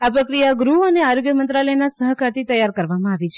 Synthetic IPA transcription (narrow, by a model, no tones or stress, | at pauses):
apɾəkɾijaɡɾuəneaɾoɡjəmənt̪ɾaləjnasəɦkaɾt̪ʰit̪əjaɾkəɾʋamãaʋit͡ʃʰe